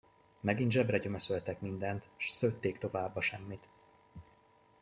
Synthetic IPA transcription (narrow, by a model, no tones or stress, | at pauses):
mɛɡint̪ʒɛbrɛɟømøsølt̪ɛkmind̪ɛnt̪ʃsøt̪ːeːkt̪o̞vaːbːɒʃɛmːit̪